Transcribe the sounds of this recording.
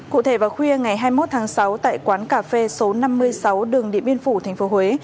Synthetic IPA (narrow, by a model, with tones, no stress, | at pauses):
kṵ˧˨t̪ʰe˧˩vaː˨˩xwi˧əŋa˨˩jɦaː˧jmo˦˥t̚t̪ʰaː˨˦ŋsa˨˦wt̪a̰ː˧˨jkwaː˨˦nkaː˧˩fe˧so˨˦na˧mːɨ˧əjsa˨˦wɗɨ˨˩əŋɗḭ˧˨əmɓi˧ənfu˧˩t̪ʰɛ˨˩jŋ̟fo˨˦hwe˨˦